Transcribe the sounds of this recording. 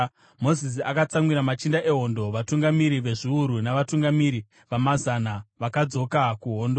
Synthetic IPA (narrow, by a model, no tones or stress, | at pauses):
mo̞zis̬iakat͡saŋwiɾamat͡ʃindaʔe̞ɦo̞ndo̞ʋatuŋɡamiɾiʋe̞ʐiuɾunaʋatuŋɡamiɾi | ʋamazanaʋakad͡zo̞kakuɦo̞ːndo